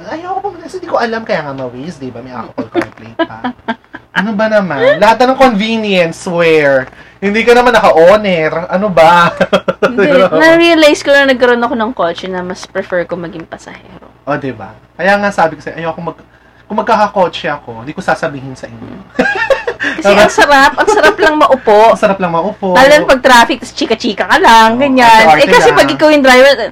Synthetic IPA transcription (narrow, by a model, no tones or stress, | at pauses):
ʔɐjɐwkobɐmsɪnd̪ikoʔɐlamkɐjaːŋɐmɐwisd̪ɪbɐmɐjʔa̰ːkokkonɛplɛ̰jnpɐ | ʔɐnobɐnɐmanlɐhat̪̚ɐnɐŋkonviːnjɛnswɛɹhɪnd̪iːkɐnɐmanːɐkɐʔoːnɛɾʔɐnobɐ | nɐɹiɐlajskonɐnɐɡ̚kɐɾo̞nɐkonɐŋkoːt͡ʃɛnɐmɐspɾɛfɛɹkomɐɡɪŋpɐsɐ̰hɛ̰ːɾoʔod̪ɪba | kɐjaːŋasaːbɪkɐsɛʔɐjɐwkoŋmɐɡ̚ | kʊŋmːɐɡ̚kaːkɐkoːt͡ʃɛʔɐko̞ɪnd̪iːkosaːsɐbiːhɪnsɐʔɪɲːo | kɐsɛɐŋsɐɾapʔɐŋsɐɾaplɐŋmɐʔʊpoʔsɐɾap̚lɐŋmɐʔʊpoaːlɐŋpɐɡ̚t̪ɾaːfɪk̚t̪ɐst͡ʃiːkɐt͡ʃiːkɐkɐlaŋɡɐɲannɛkɐɛpɐɡɪkɐwjʊŋd̪ɾajvɛɹ